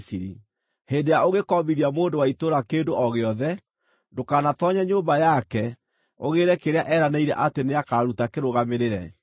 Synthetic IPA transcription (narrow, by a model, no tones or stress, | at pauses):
siɾḭ | hendejaoɣekɔmiðiamoːndowaitoɾakeːndoʔɔɣeɔðɛ | ndokanatɔɲaɲombajakɛ | oɣeɾɛkeɾeaʔɛɾaneiɾɛ̰ʔateneakaɾaɾutakeɾoɣameɾeɾɛ